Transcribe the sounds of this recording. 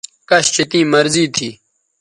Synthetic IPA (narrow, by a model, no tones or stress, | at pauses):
kəɕt͡ʃɪt̪ĩːməɾziːt̪ʰiː